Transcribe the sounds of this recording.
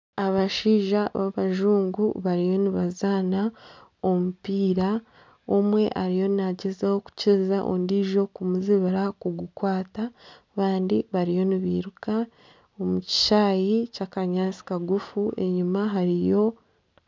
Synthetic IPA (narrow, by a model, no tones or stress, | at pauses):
aβaʃiːʒaβa̰βaʒuːŋɡṵβaɾijo̞niβazaːnao̞mupiːɾa | omwe̞ʔaɾijo̞naɟezahoku̥cizaʔo̰ndiːʒo̞kumuziβaɾakuɡukwaːta | βaːndiβaɾijo̞niβiːɾuka | omuci̥ʃaːjicakaɲaːsi̥kaɡufue̞̰ɲumaɦaɾijo̞